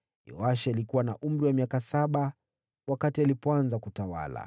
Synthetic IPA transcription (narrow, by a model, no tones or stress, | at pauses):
jɔ̰aʃaalikuwanaʔum̩ɾiwamiakasaɓa | wakatialipɔanzakutawa̰la̰